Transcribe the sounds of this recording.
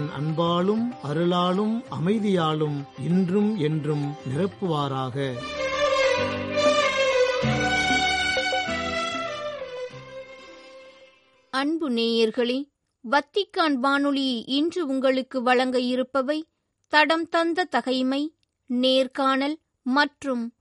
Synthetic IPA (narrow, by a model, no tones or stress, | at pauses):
nʔɐ̰nbaːɭɯmɐɾɯɭaːɭɯmɐmɐɪðɪjaːɭɯmɛndrɯmɛndrɯmnɪrɐpːɯʋaːɾaːɣɐ | ɐɳbɯneːjɐɾɣɐɭe | ʋɐt̪ːɪkːaːnʋaːnɯɭɪʔɪndrɯʊŋɡɐɭɯkːɯʋɐɭɐŋɡɐjɪɾɯpːɐʋɐɪ | t̪ɐɽɐmt̪ɐnd̪ɐt̪ɐɣɐɪmɐɪ | neːɾkaːnɐl | mɐʈrɯm